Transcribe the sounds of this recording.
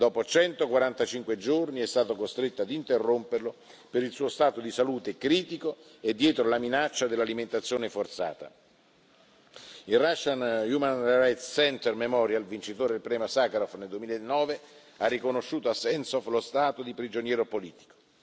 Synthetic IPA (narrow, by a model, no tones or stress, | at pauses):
d̪ɔːpot͡ʃɛnt̪okwaɾant̪at͡ʃiŋkwed͡ʒorniɛst̪aːt̪okost̪ɾet̪ːoad̪int̪erːomperlo | peɾilsuːost̪aːt̪od̪isaluːt̪ekɾiːt̪ikoed̪ːjɛːt̪ɾolaminat͡ʃːad̪elːaliment̪at̪sːjoːnefort̪sa̰ːt̪a̰ | ilraʃːanjumanrajt̪ssɛnt̪ɛrmemɔɾjalvint͡ʃit̪oːɾed̪elpɾɛːmosakaɾɔfneld̪uemiːlaenːɔːve | arːikonoʃːuːt̪oasːɛnsɔflost̪aːt̪od̪ipɾid͡ʒonjɛːɾopoliːt̪i̥ko̥